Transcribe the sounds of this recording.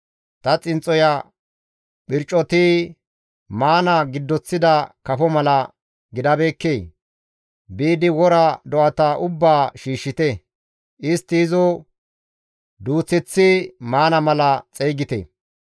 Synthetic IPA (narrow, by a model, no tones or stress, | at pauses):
t̪ɐt͡sʼɪnt͡sʼːɔja | ɓɪɾt͡ʃʼːɔt̪iː | maːnɐɡɪd̪ːɔt͡sːɪd̪ɐkɐfɔmɐlɐ | ɡɪd̪ɐbeːkːeː | biːd̪ɪwɔɾɐd̪ɔʔɐt̪ɐʔʊbːaːʃiːʃːɪt̪ɛ | ʔɪst̪ːɪːzɔ | d̪uːt͡sːɪt͡sːɪmaːnɐmɐlɐt͡sʼejɡɪt̪ɛ̰